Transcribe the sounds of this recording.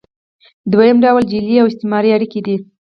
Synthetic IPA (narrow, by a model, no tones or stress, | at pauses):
d̪wajəmɖawld͡ʒiliawɪst̪ɪmɑɾiaɽiked̪i